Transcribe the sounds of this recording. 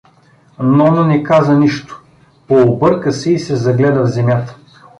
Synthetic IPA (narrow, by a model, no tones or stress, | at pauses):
nɔnɐnɛkazəniʃt̪o̥ | poːbɤɾkəsɛisɛzɐɡlɛd̪əvzɛmʲjat̪ə̥